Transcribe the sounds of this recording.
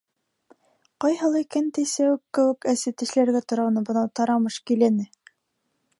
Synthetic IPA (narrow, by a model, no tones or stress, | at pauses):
qɑjhɤ̆lˠɑikænt̪ɘsæwɘkːɘ̆wɘ̆kæsɘt̪ɘ̆ʃlæɾɡæt̪ŏɾɑwnɤbɤ̆nɑwt̪ɑɾɑmɤʃkilænɘ